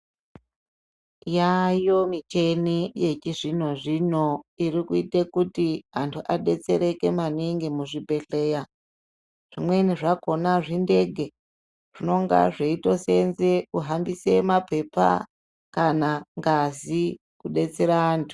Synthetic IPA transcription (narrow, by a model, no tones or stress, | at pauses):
jajo̞mit͡ʃenije̞t͡ʃiʐin̤o̞ʐino̞iɾikuitekutiɦantʰuʔaɗe̞t͡se̞ɾe̞ke̞maniŋɡimuʐibʱe̞ɬeːja | ʐ̥imwe̞niʐako̞naʐinde̞ɡʱe̞ | ʐ̥ino̞ŋɡa̰ʐeito̞se̞nzekuɦambisemape̞pa̰ | kanaŋɡazi | kuɗe̞t͡se̞ɾaaːntʰu̥